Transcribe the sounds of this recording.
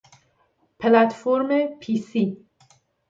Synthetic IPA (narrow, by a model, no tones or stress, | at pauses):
pʰlat̪foɾmepʰisi